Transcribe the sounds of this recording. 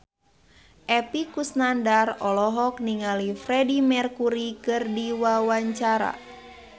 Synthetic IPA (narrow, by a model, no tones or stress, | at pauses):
ʔɛpikusnandarɔlɔɦɔkniŋalifrɛdimɛrkuɾikɨrdiwawaɲt͡ʃaɾa̰